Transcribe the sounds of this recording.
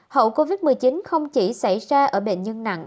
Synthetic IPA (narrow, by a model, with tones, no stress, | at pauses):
hə̰˧˨wko˧vi˦˥t̚mɨ˨˩jt͡ɕi˨˦nxə˧wŋ͡mt͡ɕi˧˩sa˧˩jzaː˧ʔəː˧˩ɓḛ˧˨nɲə˧nna̰˧˨ŋ